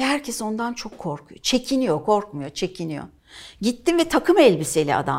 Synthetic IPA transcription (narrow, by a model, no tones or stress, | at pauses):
hæɾcʰɛso̞nd̪ant͡ʃʰo̞kʰːo̞ɾkʰujot͡ʃʰe̞cʰinijo̞kʰo̞ɾk̚mujo̞t͡ʃʰe̞cʰinijo̰ | ɟit̪ːimvɛt̪ʰakʰɯmɛlʲbise̞lʲia̰d̪a̰